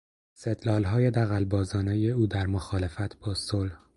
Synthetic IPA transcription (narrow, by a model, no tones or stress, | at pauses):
sed̪lɒːlɦɒːjed̪æɣælbɒːzɒːnejeuːd̪æɾmoxɒːle̞fæt̪ʰb̥ɒːsolh